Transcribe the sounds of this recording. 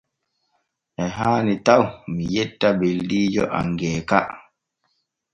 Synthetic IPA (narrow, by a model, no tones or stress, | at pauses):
ʔɛɦaːnitawmijɛtːabeldiːd͡ʒɔ̰ʔa̰ŋɡɛːka